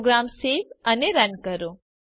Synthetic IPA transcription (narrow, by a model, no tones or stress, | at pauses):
ɡɾamseʋəneɾənkəɾo